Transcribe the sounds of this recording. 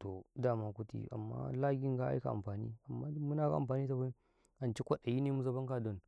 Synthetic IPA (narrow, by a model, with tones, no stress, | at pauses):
to˨da˦˨ma˦ku˦tḭ˦a̰˨mːa̰˦la˦ɡi˦ŋɡa˦a̰˦ka˨a̰˨mɸaː˨nḭ˦a˨mːa˦mu˦na˦˨ɡa̰˦˨a̰˨mpaː˨ni˦ta˨ba˦ | a˨nt͡ʃi˦kʷa˦˨ɗa˨ji˦ne˦˨mu˦za˦ba˦ŋka˨do˨n